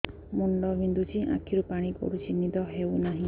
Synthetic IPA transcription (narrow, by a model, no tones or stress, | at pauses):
muɳɖɔbind̪ut͡ʃʰiʔa̰kʰiɾupaɽ̃ikɔ̰ɽut͡ʃʰinid̪ɔɦewnaɦĩ